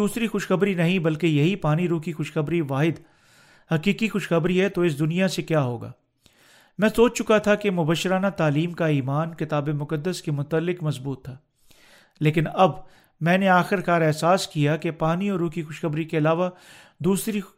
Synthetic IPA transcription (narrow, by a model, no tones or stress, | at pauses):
uːsɾixʊʃxɐbɾinɐɦĩbɐlkejɐɦipaːniɾuːkixʊʃxɐbɾiʋaːɦɪd̪ | hɐqiːkixʊʃxɐbɾiɦɛt̪oɪs̬d̪ʊnijasekjaːɦoːɡa̰ː | mɛ̃ːsoːt͡ʃt͡ʃʊkat̪ʰakemʊbəʃːɪɾaːnat̪aːliːmkaiːmaːnkɪt̪aːbemʊkəd̪ːəskemʊt̪əlːɪkmɐzbuːt̪ʰːaː | leːkɪnɐb | mɛ̃ːneaːxɪɾkaːɾɛɦsaːskijakepaːniɔːɾuːkixʊʃxɐbɾikeɐlaːʋa | d̪uːsɾi